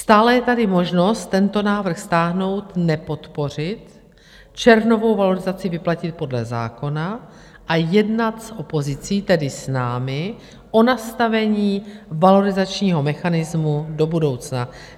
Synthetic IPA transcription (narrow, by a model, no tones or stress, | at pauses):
st̪aːlɛjɛt̪adɪmo̞ʒno̞st̪ːɛnt̪o̞naːvr̩xst̪aːɦno̞wt̪nɛpo̞t̪po̞r̝ɪt̪ | t͡ʃɛɾno̞vo̞wvalo̞ɾɪzat͡sɪvɪplacɪt̪̚po̞dlɛza̰ːko̞na | ʔajɛdnat̪sʔo̞po̞zɪt͡siːt̪ɛdɪsnaːmɪ | ʔo̞nast̪avɛɲiːvalo̞ɾɪzat͡ʃɲiːɦo̞mɛxanɪzmudo̞budo̞wt͡sna